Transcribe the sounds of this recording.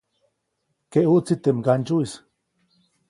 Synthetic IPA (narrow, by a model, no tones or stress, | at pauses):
keʔuʔt͡sit̪emɡant͡ʃuis